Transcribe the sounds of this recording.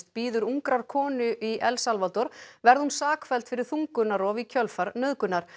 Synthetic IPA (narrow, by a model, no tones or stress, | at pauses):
t̪̚piːðʏɾuŋkɾaɾ̥kʰɔːnʏʔiʔɛlsalvat̪ɔɾ̥vɛɾðhunsaːkfɛlt̪fɪɾɪɾ̥θuŋkʏnːaɾɔvicʰœlfaɾnœðkʏnaɾ̥